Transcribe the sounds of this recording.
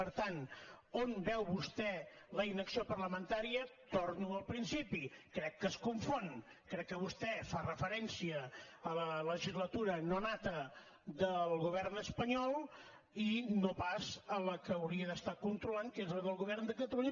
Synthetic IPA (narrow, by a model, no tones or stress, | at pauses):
pəɾt̪anonbɛwβust̪ɛləinəksiopərləmənt̪aɾiət̪oɾnuəlˠpɾinsipikɾɛkːəskuɱfon | kɾɛkːəβust̪ɛfarəfəɾɛnsiəːlələʒizlət̪uɾənonat̪ə | d̪əlˠɣuβ̞ɛrnəspəɲɔlˠ | inopazələkəːwɾiəðəst̪akunt̪ɾulankezləðəlˠɣuβ̞ɛrnd̪əkət̪əluɲ